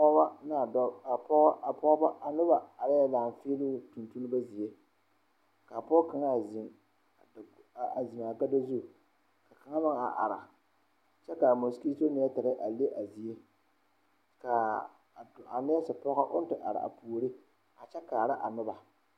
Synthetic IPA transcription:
ba˦na˦˨˦a˨pɔ˦ʔa˨pɔ˦ba˦a˨nʊ˦ba˨a˨ɾa˦ja˦laː˨m˨feː˦lʊː˦tu˨ntu˦nɨ˦ba˦zi˨je˦ | ka˨pɔ˦ka˨ŋa˦˨z | a˨zi˨ma˨ka˦da˦zu˦˨ | ka˨ka˨ŋa˦ma˦ŋ˨a̰˨ʔa̰˨ɾa˨ | t͡ʃɛ˦ka˨mo˨ski˦to˦nɪ˨˦a˦ta˨ɾɨ˦ʔa˨le˦ʔa˨zi˨je˦ | ka˨ | a˨nɪ˦ja˦sɨ˨pɔ˦ɣa˦ʔʊ˦n˦tɨ˨ʔa̰˨ɾa̰˨ʔa̰˨puː˨ɾɨ˦ | a˨t͡ʃɛ˦kaː˨ɾa˦ʔa˨nʊ˦ba˨

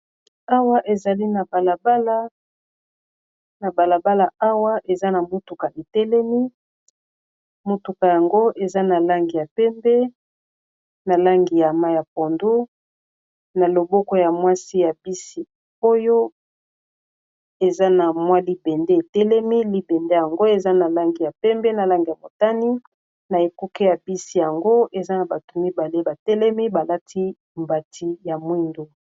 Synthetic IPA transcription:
a˦wa˦ʔe˨za˨li˦na˨ba˨la˨ba˦la˦ | na˨ba˨la˨ba˦la˨a˦wa˦ʔe˨za˦na˨mo˦tu˨ka˨ʔe˨tɛ˦lɛ˦mi˦ | mo˦tu˨ka˨ja˨ŋɡo˦ʔe˨za˦na˨la˦ŋɡi˨ja˨pɛ˦mbɛ˦ | na˨la˦ŋɡi˨ja˨ma˦ja˨p̚o˨ndu˦ | na˨lo˨bɔ˦kɔ˦ja˨mwa˦si˦ja˨bi˦si˨ | o˦jo˦ | e˨za˦na˨mwa˦li˦bɛ˨nde˦e˨tɛ˦lɛ˦mi˦li˦bɛ˨nde˦ja˨ŋɡo˦e˨za˦na˨la˦ŋɡi˨ja˨pɛ˦mbɛ˦na˨la˦ŋɡi˨ja˨mo˨ta˦ni˦ | na˨e˨ku˦ke˦ja˨bi˦si˨ja˨ŋɡo˦ʔe˨za˦na˨ba˨tu˨mi˦ba˨le˦ba˨tɛ˦lɛ˦mi˦ba˨la˦tʰi˦ | mba˨tʰi˦ja˨mwi˦ndu˦

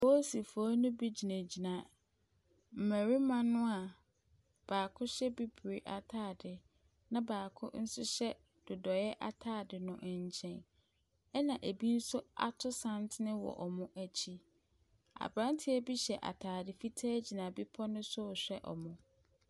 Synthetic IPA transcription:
mo˦si˨fʊ˨a˦nʊ̃˦bi˦d͡ʑi˨næ̃˨d͡ʑi˨nã˨ | m̩˨mæ˨ɾi˦mã˦nʊ̃˦a˨ | b̥aː˨kʰʊ˦ɕɛ˦bi˦bɾi˨ʔa̰˨tʰaː˦˨dɪ˨ | nã˦baː˨kʰʊ̰˦n̩˦sʊ˦ɕɛ˦ | d̥ʊ˨dɔ˨jɛ˦ʔa̰˦tʰaː˦˨dɪ˨nʊ̃˨ʔɲ̩˨t͡ɕʰɛ̃˨n | ɛ˦nã˨ʔe˨bi˦n̩˦sʊ˦a̰˨tʰʊ˦sã˦ntʰɪ˦nɪ̃˦wɔ̰˨ʔɔ˨mʊ̃˦ʔæ˦t͡ɕʰi˦ | a̰˨bɾã˦n˦tʰɪ˦æ˦bi˦ɕɛ˨ʔa̰˨tʰaː˨dɪ˨fi˦tʰaː˦d͡ʑi˨nã˨bi˦pʰɔ˦nʊ̃˦sʊ˦˨ɕᶣɛ˦ʔɔ̰˨mʊ̃˨

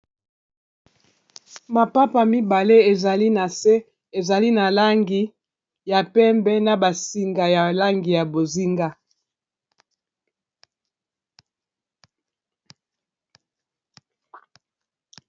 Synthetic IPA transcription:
ma˨pa˦pa˨mi˦ba˨le˦e˨za˨li˦na˨se˦ | e˨za˨li˦na˨la˦ŋɡi˦ | ja˨pɛ˦mbɛ˦na˨ba˨si˨ŋɡa˨ja˨la˦ŋɡi˨ja˨bo˨zi˦ŋɡa˦

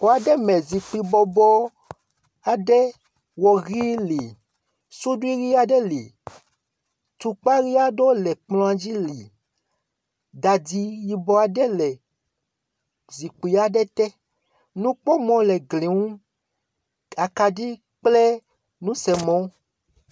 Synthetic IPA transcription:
wo˨a˨ɖɛ˦mɛ̃˨zi˨k͡pi˨bɔ˨bɔ˦ | a˨ɖɛ˦ | wɔ˨ɣi˦li˨ | su˦ɖu˦i˦ɣi˦a˦ɖɛ˦li˨ | t̪u˨k͡pa˦ɣi˦a˦ɖo˦lɛ˨k͡plɔ̃˦a˨d͡ʒi˦li˨ | da˨di˦ji˨bɔ˦a˨ɖɛ˦lɛ˨ | zi˨k͡pi˨a˦ɖɛ˦t̪ɛ˦ | nũ˦k͡pɔ˦mɔ̃˨lɛ˨ɡli˨ŋũ˦ | a˨ka˨di˦ | k͡plɛ˦ | nũ˦sɛ˨mɔ̃˦

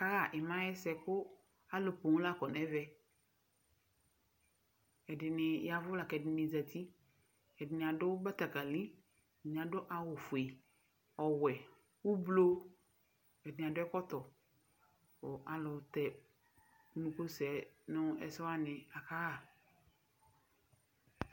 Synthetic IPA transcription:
a˨ka˦ɣa˦˨ʔɪ˨mã˦jɛ˦sɛ˨kʊ˦ | a˦lʊ˨po˨ŋ̃˦la˦˨kɔ˨n˨ɛ˦vɛ˦ | ɛ˨dɪ˨nɪ˨ja˨vʊ˦la˨kɛ˨dɪ˨nɪ˨za˨t̪ʰi˦ | ɛ˨dɪ˨nɪ̃˨a˨dʊ˦ba˦t̪a˨ka˨li˦ | ɛ˨ɪ˨nɪ̃˨a˨dʊ˦ʔa˨wʊ˨fʊ˨e˨ | ɔ˨wɛ˨ | wʊ˦blo˦ | ɛ˨dɪ˨n˨a˨dʊ˦ɛ˦kɔ˦t̪ɔ˨ | o˨ʔa˨lʊ˨t̪ɛ˨ | u˦nũ˨ko˦sɛ˨nʊ˦ɛ̰˦˨sɔ˦a˦nɪ̃˨a˨ka˦a˨

